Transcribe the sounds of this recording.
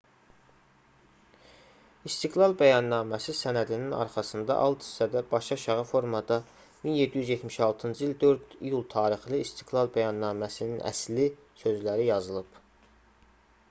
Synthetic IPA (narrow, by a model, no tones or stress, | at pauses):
ist̪iɡlˠɑlˠbæjɑnːɑːmæsisænæd̪ininɑ̰ɾχɑsɯnd̪ɑ̰ʔɑlˠt̪ʰi̥st̪æd̪æbɑʃɑʃɑʁɑfo̞ɾmɑd̪ɑ | minje̞d̪ːijyzjet̪miʃɑlˠt̪ʰɯnd͡ʒɯild̪ø̞ɾd̪ijulˠt̪ʰɑːɾiχlˠɯist̪ʰiɡlˠɑlˠbæjɑnːɑːmæsininʔæ̰sli | sø̞zlæɾijɑzɯlˠɯb